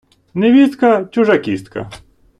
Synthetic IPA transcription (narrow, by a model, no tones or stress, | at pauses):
nɪʋʲist̪kɐt͡ʃʊʐakʲist̪̚kɐ̰